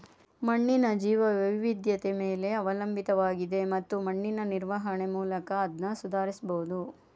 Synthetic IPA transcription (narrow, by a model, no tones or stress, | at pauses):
mɐɳːinɐd͡ʒiːʋɐʋɐʋiʋid̪jɐt̪e̞meːle̞ɐʋɐlɐmbit̪ɐʋaːɡid̪e̞mɐt̪ːumɐɳːinɐniɾʋɐɦɐɳemuːlɐkɐːd̪nɐsud̪ʱaːɾisboud̪u